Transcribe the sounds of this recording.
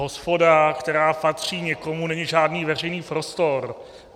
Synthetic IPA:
ɦospo̞dakt̪ɛɾaːpat̪r̝̥iːɲɛko̞munɛɲiʒaːdniːvɛr̝ɛjniːpɾost̪o̞ɾ

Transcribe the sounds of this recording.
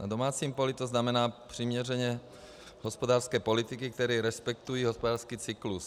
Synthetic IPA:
nad̪omaːt͡siːmpɔlit̪ɔznamɛnaːpr̥imɲɛrɛɲɛ | ɦɔspod̪aːrskɛːpolit̪ikik̚t̪ɛɾɛːɾɛspɛk̚t̪ujiːɦɔspɔd̪aːɾskiːt͡siklus

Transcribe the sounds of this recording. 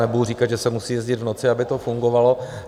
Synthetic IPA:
nɛbuɦuriːkad̪ʒɛsɛmusiːjɛzɟɪd̪vno̞t͡sɪabɪt̪ofuŋɡo̞valo̞

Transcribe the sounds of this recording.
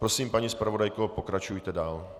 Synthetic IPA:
pɾo̞siːmpaɲispɾavo̞dajkopo̞kɾat͡ʃujt̪ɛdaːl

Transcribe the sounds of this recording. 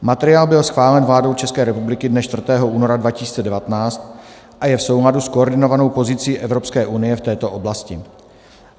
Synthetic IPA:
mat̪ɛɾɪjaːlbɪlsxvaːlɛnvlaːdo̞wt͡ʃɛskɛːɾɛpublɪkɪdnɛʃt̪vr̩t̪ɛːɦo̞ʔuːno̞ɾadvacɪsi̥ːt͡sɛdɛvat̪ɛnaːt͡st̪ | ʔajɛfso̞wɦladuskooɾdɪno̞vano̞wpo̞zɪt͡siːʔɛvɾo̞pskɛːʔunɪjɛft̪ɛːt̪o̞ʔo̞blascɪ

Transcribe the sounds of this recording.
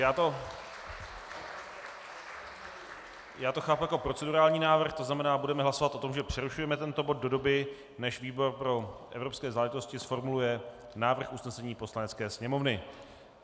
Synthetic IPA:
jaːt̪o̞ | jaːt̪o̞xaːpujako̞pɾo̞t͡sɛduɾaːlɲiːnaːvr̩xt̪o̞znamɛnaːbudɛmɛɦlaso̞vat̪o̞t̪o̞mʒɛpr̥ɛɾuʃujɛmɛt̪ɛnt̪o̞bo̞d̪̚do̞do̞bɪ | nɛʃviːbo̞ɾpɾo̞ʔɛ̰vɾopskɛːzaːlɛʒɪt̪o̞scɪsfo̞ɾmulujɛ | naːvr̩xʔusnɛsɛɲiːpo̞slanɛt͡skɛːsɲɛmo̞vnɪ

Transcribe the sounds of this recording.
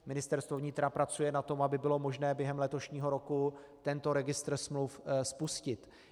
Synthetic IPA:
mɪnɪst̪ɛɾst̪vo̞vɲɪt̪ɾapɾat͡sujɛnat̪o̞mʔabɪbɪlo̞mo̞ʒnɛːbjɛɦɛmlɛt̪o̞ʃɲiːɦo̞ɾo̞ku | t̪ɛnt̪o̞ɾɛɡɪst̪r̩smlufspuscɪt̪

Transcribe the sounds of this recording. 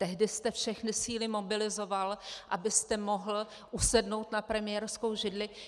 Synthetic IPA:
t̪ɛɦdɪst̪ɛfʃɛxnɪsiːlɪmo̞bɪlɪzo̞valʔabɪst̪ɛmo̞ɦl̩ | ʔusɛdno̞wt̪napɾɛmɪjɛːɾsko̞wʒɪdlɪ

